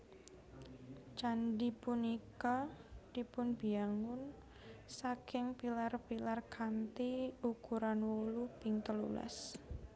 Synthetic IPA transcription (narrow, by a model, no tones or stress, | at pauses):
t͡ʃandipunikɔd̪ipʊnb̥iaŋʊn | sakɪŋpilarpilarkʰant̪iukuɾanwolupɪŋt̪əlṵla̰s